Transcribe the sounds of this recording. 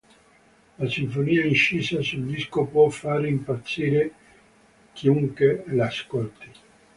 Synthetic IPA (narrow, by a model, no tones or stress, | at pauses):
lasiɱfoniːainʃiːsasuld̪iskopwɔfːaːɾimpat̪sːiːɾe | k̟ʰiuŋkelaskolt̪i